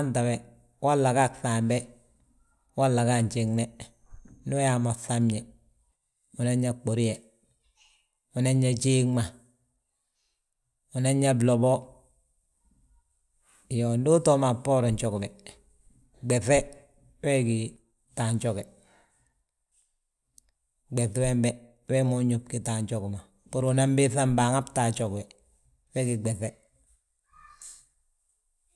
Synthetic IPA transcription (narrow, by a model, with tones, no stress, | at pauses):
a˦nta˨we˨ | wa˦lːa˨ka˦ksa˨mbe˦ | wa˦lːa˨ka˦ɲt͡ʃe˨ŋne˦ | nu˦ja˨ma˨fa˦mɲe˨ | u˨na˦ɲa˦k͡po˨ɾi˦je˨ | u˨na˦ɲːa˦t͡ʃi˦ŋma˨ | u˨na˦ɲːa˦blo˨bo˦ | jo˨ndu˦to˦ma˨po˦ɾo˨ɲt͡ʃo˨kbe˨ | ɡ͡be˨θe˦ | we˦ɡi˨ | ta˨ɲt͡ʃo˦ke˨ | ɡ͡be˨θwe˦mbe˦ | we˦mu˦ɲu˨p̚ki˨ta˨ɲt͡ʃo˦kma˨ | pu˦ɾu˨na˦mbi˦θa˦mba˨ŋa˦pta˨t͡ʃo˨kbe˨ | we˦ɡi˨ɡ͡be˨θe˦